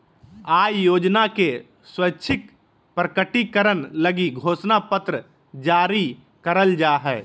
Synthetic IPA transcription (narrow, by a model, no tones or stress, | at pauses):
aːjoːd͡ʒnake | swətːʃʰɪk | pɾəkəʈikəɾənləɡiɡʱoːsnapət̪ɾə | d͡ʒaːɾi | kəɾəld͡ʒaːɦɛː